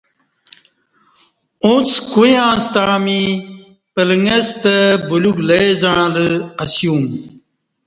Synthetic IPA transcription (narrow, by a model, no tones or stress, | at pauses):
õt͡skujãːst̪ãːmi | pələŋest̪əbuluɡleezaləɐsjũːŋ